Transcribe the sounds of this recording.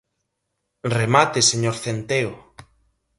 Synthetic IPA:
remat̪eseɲoɾθent̪eo

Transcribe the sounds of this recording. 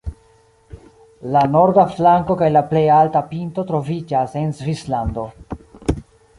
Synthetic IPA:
lano̞ɾdaflaŋko̞kajlaple̞jaltapintotɾo̞vid͡ʒase̞nzvislando̞

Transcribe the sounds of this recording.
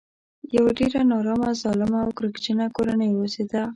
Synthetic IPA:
jawaɖeɾanɑɾɑmazɑlɪmaːwkɾəɡd͡ʒənakoɾanəjwosed̪a

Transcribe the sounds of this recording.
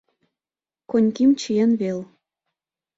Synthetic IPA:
konʲkimt͡ɕijenβel

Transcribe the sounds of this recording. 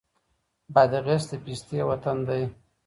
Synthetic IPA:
bad̪əɣesd̪əpist̪ewat̪and̪aj

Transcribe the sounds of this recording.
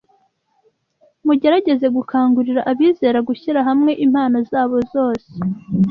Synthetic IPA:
muɟe̞ɾaɟe̞ze̞ɡukʰaːŋɡuɾiɾaʔaβiːze̞ːɾaɡuçiɾaɦamŋe̞ʔimhaːnozaːβo̞zo̞ːse̥

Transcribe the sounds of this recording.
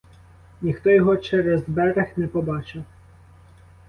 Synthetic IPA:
nʲixt̪ɔjɔɦɔt͡ʃɛɾɛzbɛɾexnɛpɔbɑt͡ʃɐ

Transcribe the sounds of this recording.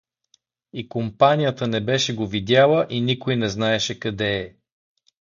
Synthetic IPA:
ikompanijət̪ənɛbɛʃɛɡovid̪ʲalˠəʔinikojnɛznaɛʃɛkɐd̪ɛː

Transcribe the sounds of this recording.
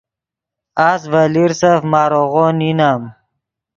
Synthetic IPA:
aːsvaliɾsafmaːɾoɣoninam

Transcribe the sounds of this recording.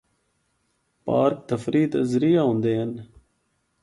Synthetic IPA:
pa̰ːɾk̚t̪ɐfɾiːt̪ɐzɾijaɦũnd̪eːɐn

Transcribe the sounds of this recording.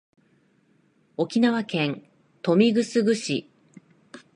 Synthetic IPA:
o̞kʲinaβakẽ̞n | t̪o̞mʲiɡɯ̟sɨɡɯ̟ɕḭ

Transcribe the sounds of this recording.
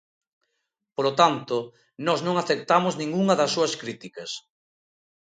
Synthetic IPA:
polot̪ant̪o | nɔznõŋaθek̚t̪amʊznĩŋɡuŋɐðɐsːuɐskɾit̪ikɐs

